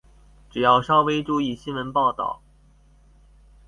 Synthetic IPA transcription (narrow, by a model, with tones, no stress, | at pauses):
ʈ͡ʂɻ̩˨˩jɑ˥˩ʊʂɑ˥ʊwe˥ɪʈ͡ʂu˥˧i˥˩ɕi˥nwə˧˥npɑ˥˧ʊt̪ɑ̰˥˩ʊ